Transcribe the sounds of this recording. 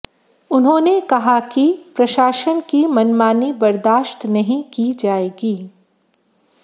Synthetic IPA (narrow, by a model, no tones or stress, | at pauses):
ʊnɦõːnekɐɦakipɾɐʃaːʃənkimɐnmaːnibɐɾd̪aːʃt̪nɐɦĩkid͡ʒaːeːɡiː